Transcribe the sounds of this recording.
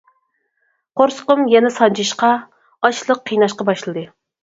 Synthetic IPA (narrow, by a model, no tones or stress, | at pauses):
qoɾsə̥qʊmjɛnɛsɑnt͡ʃiʃqɑ | ɑt͡ʃlˠəqʰːijnɑʃqɑbɑʃlˠɨd̪ɨ